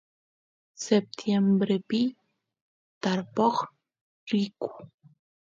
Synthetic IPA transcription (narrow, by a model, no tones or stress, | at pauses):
sep̚t̪ʰjembɾepi | t̪aɾpoχ | ɾiku̥